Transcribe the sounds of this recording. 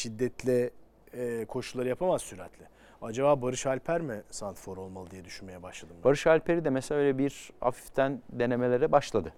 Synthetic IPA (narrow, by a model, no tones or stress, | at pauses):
ʃid̪ːɛt̪lʲɛ | kʰo̞ʃulˠaɾɯjapʰamazsyɾɛt̪ʰlʲɪ | ad͡ʒabaːbaɾɯʃhalʲpʰæɾmɪsant̪foɾo̞lˠmalˠɯd̪ijɛd̪yʃynme̞jɛbaʃlˠad̪ɯmbaɾɯʃhalʲpʰeɾid̪ɛmeselaøjlʲɛbiɾha̰fi̥ft̪ʰænd̪e̞ne̞me̞lʲe̞ɾɛbaʃlˠad̪ɯ